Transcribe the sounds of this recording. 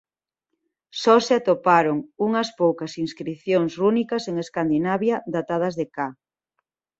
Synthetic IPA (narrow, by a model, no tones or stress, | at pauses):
sɔseat̪opaɾoŋuŋɐspowkɐsiŋskɾiθjoŋsrunikɐseŋeskand̪inaβjɐd̪at̪aðɐzðeka